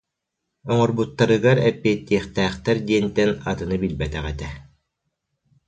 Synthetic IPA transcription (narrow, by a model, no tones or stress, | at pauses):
ɔŋɔɾbut̪ːaɾɯɡaɾɛpːiːt̪ːiɛχt̪æːχt̪ɛɾd̪iɛnt̪ɛnat̪ɯnɯbilbɛt̪ɛʁɛt̪ɛ